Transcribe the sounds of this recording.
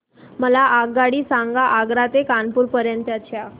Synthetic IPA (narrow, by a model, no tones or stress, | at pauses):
məlaʔaɡːaɽiːsãŋɡaʔaɡɾat̪ekanpuːɾpəɾjənt̪jat͡ɕʰja